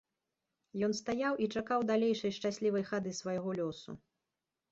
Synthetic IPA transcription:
jɔnst̪ajawʔit͡ʂakawd̪alʲejʂɐjʂt͡ʂasʲlʲivɐjxad̪ɨsvajɣɔlʲɔsṵ

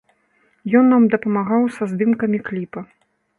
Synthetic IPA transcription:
jɔnːamd̪ɐpɐmaɣawsɐzd̪ɨmkɐmʲiklʲipɐ

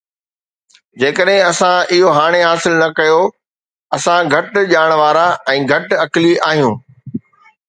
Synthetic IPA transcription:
d͡ʑeːkəɗɦɪ̃ɐsãɪɦoɦaːɽ̃eɦaːsɪlnɐkɐjo | ɐsãɡʱɐʈʄaːɽ̃ʋaːɾaɛ̃ːɡʱɐʈɐkliʔaːɦijũː

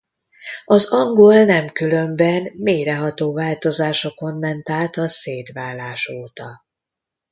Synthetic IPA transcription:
ɒzɒŋɡo̞lnɛmkylø̞mbɛnmeːɾɛɦɒt̪oːvaːlt̪o̞zaːʃo̞ko̞nːɛnt̪aːlt̪ɒseːt̪ʋaːlːaːʃoːt̪ɒ

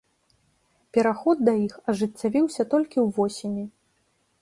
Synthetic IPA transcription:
pʲɛɾaxɔd̪̚ːɐixɐʐɨt͡sʲːavʲiwsʲɐt̪ɔlʲkʲiwvɔsʲimʲi

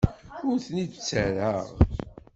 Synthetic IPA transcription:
ʊɾθnid̪t͡sːæɾaʁ

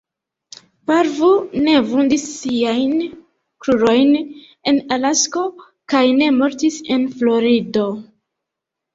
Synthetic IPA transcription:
paɾvune̞vundisːiajn | kɾuɾo̞jn | e̞nalasko̞ | kajne̞mo̞ɾtise̞nflo̞ɾido̞

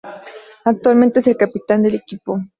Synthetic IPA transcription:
ak̚t̪walme̞nt̪ees̬elkapit̪and̪elekipo

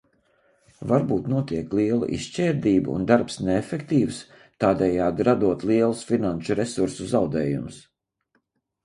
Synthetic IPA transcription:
vaɾbuːt̪nuɔt̪iɛklˠiɛlˠṵʔḭst͡ʃɛːɾd̪iːbṵṵnd̪aɾpsneɛfekt̪iːws | t̪aːd̪ɛjaːd̪ɾad̪uɔt̪lˠiɛlˠusfinanʃuɾɛsuɾsuzawd̪ɛːjṵms

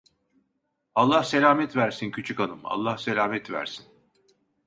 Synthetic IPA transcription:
alˠːahse̞lʲaːmɛt̪væɾsincʰyt͡ʃʰykalˠɯma̰lˠːahselʲaːmɛt̪væ̰ɾsin

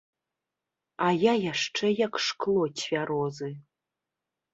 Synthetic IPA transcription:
ajajaʂʈ͡ʂʰejakʰʂkʰlˠotʲʰvʲaɾozɨ

